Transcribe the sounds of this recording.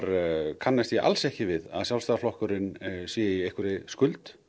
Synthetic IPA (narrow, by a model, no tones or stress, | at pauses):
ɾkʰanːast̪iʔa̰lsɛhcɪvɪða̰ðsjawlst̪aːðaflɔhkʏɾɪnsjɛiejhkʏɾɪskʏlt̪